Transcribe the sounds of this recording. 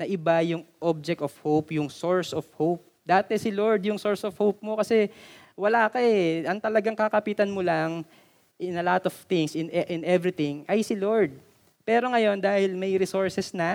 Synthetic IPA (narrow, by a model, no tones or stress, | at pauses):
nɐʔɪbajʊŋʔob̚d͡ʒɛk̚t̪ofhowpjʊŋsoɹsɔfhowp̚ | d̪aːt̪ɛsɪloɹd̪jʊŋso̞ɹsofhowp̚mo̞kɐsɛ | wɐlaːkɐɛʔɐŋt̪ɐlɐɡaŋkɐkɐpiːt̪ɐnmolaŋ | ʔɪnɐlat̪ɔv̥t̪ɪŋsɪ̃nɛʔɪ̃nɛvɾɪt̪ɪŋʔɐjsɪloɹd̪̚ | pɛːɾo̞ŋɐjo̞nd̪aːhɪlmɐjɾɪsoɹsɛsnɐ